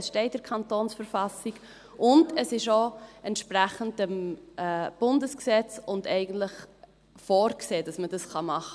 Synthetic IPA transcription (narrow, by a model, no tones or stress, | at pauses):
sʃtɛɪtdəɾkʰɑntoːnsfəɾfɑsiɡ | ʔʊndəsɪʃoɛntʃpɾræχəndəmɛb̥ʊndəsksɛt͡sʊndɛɪɡən̩tləχ | foːɾkseːd̥ɑsmədɑsχɑmɑχə